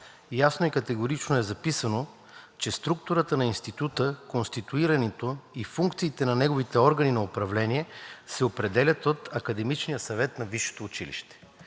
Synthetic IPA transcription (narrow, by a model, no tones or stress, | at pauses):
jasnoikɐt̪ɛɡoɾit͡ʃnoɛzɐpisəno | t͡ʃɛst̪ɾuk̚t̪ʊɾət̪ənɐinst̪it̪ut̪əkonst̪it̪uiɾɐnɛt̪oifuŋkt̪siːt̪ɛnɐnɛɡovit̪ɛɔɾɡəninɐopɾɐvlɛniɛsɛopɾɛd̪ɛlʲɐt̪ot̪ɐkɐd̪ɛmit͡ʃnijəsɐvɛt̪nɐviʃo̥t̪oːt͡ʃilḭʃt̪ɛ̥